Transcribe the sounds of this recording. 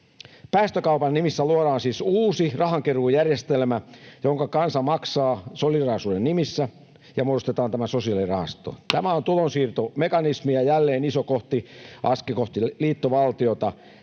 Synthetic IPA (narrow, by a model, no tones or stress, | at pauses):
pæːst̪økɑupɑnnimisːæluoɾɑːnsiːsuːsirɑɦɑŋkeruːjærjest̪elmæjoŋkɑkɑnsɑmɑksɑːsolirɑhɑsuːdennimisːæ | jɑmuodost̪et̪ɑːnt̪æmæsosiɑlirɑhɑ̰st̪o̰t̪æmæont̪ulonsiːrt̪omekɑnismiɑjælːeːnisokoht̪iʔɑskikoht̪iliːt̪ːoʋɑlt̪io̞t̪ɑ